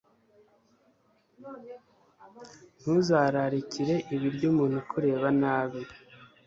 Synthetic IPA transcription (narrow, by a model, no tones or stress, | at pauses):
n̥huzaːɾaɾiciɾe̞ʔiβiɾɟuːmuːn̥hukʰuɾe̞ːβanaːβiɾi